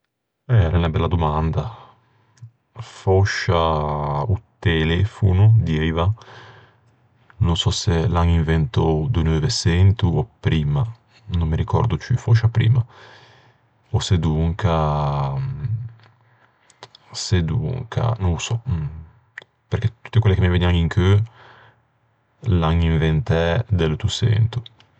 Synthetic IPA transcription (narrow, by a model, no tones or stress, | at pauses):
ɛɾɛnabɛlːad̪umand̪a | fɔʃa | ut̪elɛfunud̪jɛjva | nunsɔsɛlaŋiɱvɛnt̪ɔwd̪unuvɛsɛnt̪uɔpɾiːma | nomːiɾikɔ̰ɾd̪ut͡ʃifɔʃapɾḭːma | osed̪uŋkʰa | sed̪ṵŋkʰa̰nõsɔ | peɾket̪ːu̥t̪ːekwelːekemiveniaŋiŋkʰø | laŋiɱvent̪ɛd̪elt̪usɛ̰nt̪u